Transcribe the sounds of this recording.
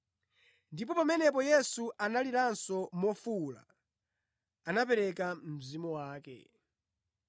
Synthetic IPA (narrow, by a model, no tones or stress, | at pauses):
ndipɔpamɛnɛp̬ɔjɛsuʔanaliɾansɔmɔfula̰ | anapɛɾɛkam̩zimɔwaːkɛ̰